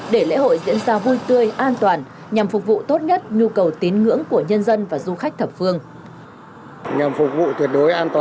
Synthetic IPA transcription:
ɗe˧˩lḛ˧˥ɦo̰˧˨jzḭ˧˥ənzaː˧vu˧jt̪ɨ˧əjʔaː˧nt̪waː˨˩n | ɲa˨˩mfʊ˨˩k͡p̚vṵ˧˨t̪o˦˥t̚ɲə˦˥t̚ɲu˧kə˨˩wt̪i˨˦nŋɨ̰˧˥əŋku˧˩əɲə˧nzə˧nvaː˨˩zu˧xa˦˥k̟̚t̪ʰə˨˩p̚fɨ˧əŋ | ɲa˨˩mfʊ˨˩k̚vṵ˧˨t̪ʰwi˨˩ət̚ɗo˨˦jʔaː˧nt̪ː

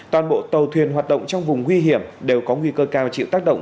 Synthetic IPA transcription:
t̪waː˨˩nɓo̰˧˨t̪ə˨˩wt̪ʰwi˨˩ənɦwaː˨˩t̚ɗə̰˧˨wŋ͡mt͡ɕɔ˧wŋ͡mvʊ˨˩ŋ͡mŋwi˧ɦi˧˩əmɗe˨˩wkɔ˨˦ŋwi˧kəː˧kaː˧wt͡ɕḭ˧˨wt̪a˦˥k̚ɗə̰˧˨wŋ͡m

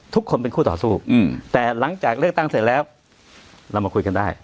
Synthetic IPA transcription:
t̪ʰu˦˥kʰːo˧npe˧nkʰuː˥˩t̪ɔː˨˩suː˥˩˨t̪ɛː˨˩la˩˦ŋt͡ɕaː˨˩k̚lɯ˥˩ək̚t̪a˥˩ŋse˨˩t̪̚lɛː˦˥w | ɾa˧wma˧kʰu˧jka˧ndaː˥˩j

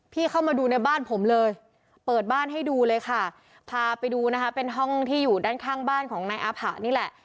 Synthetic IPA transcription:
pʰiː˥˩kʰa˥˩wmaː˧duː˧na˧jbaː˥˩npʰo˩˦mlɤː˧j | pɤː˨˩t̪̚baː˥˩nɦa˥˩jduː˧lɤː˧jkʰa˥˩ | pʰaː˧pa˧jduː˧na˦˥kʰa˦˥pe˧nɦɔ˥˩ŋt̪ʰiː˥˩juː˨˩daː˥˩nkʰaː˥˩ŋbaː˥˩nkʰɔː˩˦ŋnaː˧jʔaː˧˥pʰa˨˩ʔniː˥˩lɛ˨˩ʔ

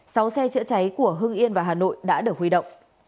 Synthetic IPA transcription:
sa˨˦wsɛ˧t͡ɕɨ̰˧˥ət͡ɕa˨˦jku˧˩əɦɨ˧ŋʔi˧ənvaː˨˩ɦaː˨˩no̰˧˨jɗa̰ː˧˥ɗɨ˨˩ək̚hi˧ɗə̰˧˨wŋ͡m

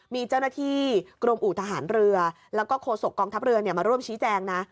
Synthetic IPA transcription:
miː˧t͡ɕaː˥˩wnaː˥˩t̪ʰiː˥˩kɾo˧mʔuː˨˩t̪ʰa˧ɦaː˩˦nɾɯ˧ɐ | lɛ˦˥wkɔː˥˩kʰoː˧so˨˩kːɔː˧ŋt̪ʰa˦˥p̚ɾɯ˧ɐni˥˩ɐmaː˧ɾu˥˩əmt͡ɕʰiː˦˥t͡ɕɛː˧ŋna˦˥

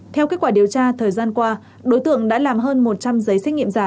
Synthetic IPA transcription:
t̪ʰɛ˧wke˦˥t̚kwaː˧˩ɗi˨˩əwt͡ɕaː˧t̪ʰəː˨˩jzaː˧nkwaː˧ | ɗo˨˦jt̪ɨ̰˧˨əŋɗa̰ː˧˥laː˨˩mɦəː˧nmo˨˩t̚t͡ɕa˧mzə˨˦jsɛ˦˥ŋḭ˧˨mzaː˧˩

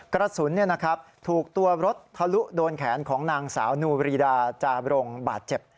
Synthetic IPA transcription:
kɾa˧suː˩˦nːi˥˩ɐna˦˥kʰɾa˦˥p̚t̪ʰuː˨˩k̚t̪u˧ɐɾo˦˥t̪̚pʰa˧lu˦˥doː˧nkʰɛː˩˦nkʰɔː˩˦ŋnaː˧ŋsa̰ː˩˦wnuː˧ɾiː˧daː˧t͡ɕaː˧ɾo˧ŋbaː˨˩t̪̚t͡ɕe˨˩p̚

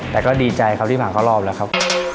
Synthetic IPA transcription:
t̪ɛː˨˩kɔː˥˩diː˧t͡ɕa˧jkʰa˦˥pt̪ʰiː˥˩maː˨˩kʰa˦˥˩wlɔː˥˩p̚laː˦˥kʰa˦˥p̚

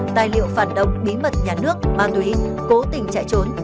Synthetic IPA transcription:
t̪aː˨˩jlḭ˧˨əwfaː˧˩nɗə̰˧˨wŋ͡mɓi˨˦mə˨˩t̚ɲaː˨˩nɨ˦˥ək̚maː˨˩t̪wi˨˦ko˨˦t̪ï˨˩ŋ̟t͡ɕa̰ː˧˨jt͡ɕo˨˦n

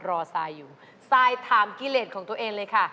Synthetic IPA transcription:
ɾɔː˧saː˧jːuː˨˩ | saː˧jt̪ʰaː˧˩mki˧˩leː˨˩t̪̚kʰɔː˩˦t̪u˧əʔeː˧ŋlɤː˧jkʰa˥˩

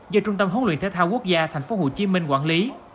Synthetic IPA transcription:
zəː˧t͡ɕʊ˧ŋ͡mt̪ə˧mɦo˨˦nlḭ˧˨ənt̪e˨˦t̪ʰːwku˦˥ək̚zaː˧t̪ʰɛ˨˩jŋ̟fo˨˦ɦo̰˧˨t͡ɕi˨˦mï˧ŋ̟kwaː˧˩nli˨˦

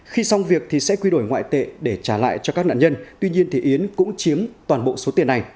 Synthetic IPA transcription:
xi˧sa˧wŋ͡mvi˨˩ək̚t̪ʰi˨˩sɛ̰˧˥kwi˧ɗo˧˩jŋwa̰ː˧˨jt̪ḛ˧˨ɗe˧˩t͡ɕaː˧˩la̰ː˧˨jt͡ɕɔ˧kaː˦˥k̚na̰ː˧˨ɲə˧nt̪wi˧ɲi˧ənt̪ʰi˨˩ʔi˨˦ənkʊ̰˧˥ŋ͡mt͡ɕi˨˦əmt̪waː˨˩nɓo̰˧˨so˨˦t̪i˨˩ənːa˨˩j

